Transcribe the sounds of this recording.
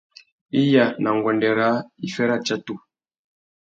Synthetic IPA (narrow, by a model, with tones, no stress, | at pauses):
i˦ja˨na˨ŋ˨ɡwɔ˨ndɛ˨ɾa˨˦i˨fɛ˦ɾa˦t͡ʃa˦tu˦˨